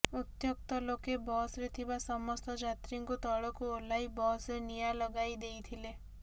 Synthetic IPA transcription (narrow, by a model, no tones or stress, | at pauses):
ut̪jok̚t̪ɔlokebɔsɾet̪ʰibasɔmɔst̪ɔd͡ʒat̪ɾiŋkut̪ɔɭɔkuolajbɔsɾenijalɔɡajd̪ejt̪ʰile